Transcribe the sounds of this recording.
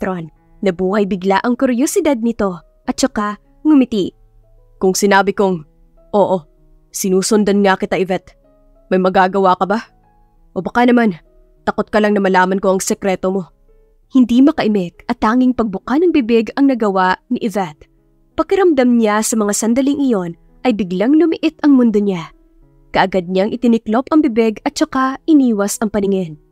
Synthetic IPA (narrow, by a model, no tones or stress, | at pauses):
ɾon | nɐbuːhɐjbɪɡlaʔɐŋkʊɾjosɪd̪ad̪̚nɪt̪o̞ | ʔɐt̪̚t͡ʃɐka | ŋʊmɪt̪iʔ | kʊŋsɪnaːbɪko̞ŋ | ʔo̞ːʔo̞ | sɪnuːsʊnd̪ɐnŋakɪt̪ɐʔɪvɛt̪̚ | mɐjmɐɡaɡɐwakɐba | ʔo̞bɐkanɐman | t̪ɐko̞t̪̚kɐlɐŋnɐmɐlaːmɐnko̞ʔɐŋsɛkɾɛːt̪omo̞ | hɪnd̪imɐkɐʔɪmɛk̚ʔɐt̪ːaːŋɪŋpɐɡ̚bʊkanɐŋbɪbɛɡɐŋnɐɡɐwaniʔɛvɛt̪̚ | pɐɡ̚kɪɾɐmd̪ɐmɲasɐmɐŋasɐnd̪ɐliŋʔɪjo̞n | ʔɐjbɪɡlaŋlʊmɪʔɪt̪ʔɐŋmʊnd̪oɲa | kɐʔɐɡad̪̚ɲaŋʔɪt̪ɪnɪklo̞pɐŋbɪbɛɡɐt̪̚t͡ʃɐkaɪniːwɐsʔɐŋpɐnɪŋɛn